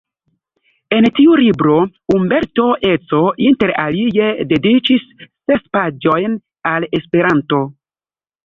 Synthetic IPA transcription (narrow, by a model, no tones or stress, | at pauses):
e̞ntiulibɾo̞umbe̞ɾto̞ʔe̞t͡so̞ʔinte̞ɾa̰lije̞de̞dit͡ʃisː | e̞spad͡ʒo̞jn | ale̞spe̞ɾanto̞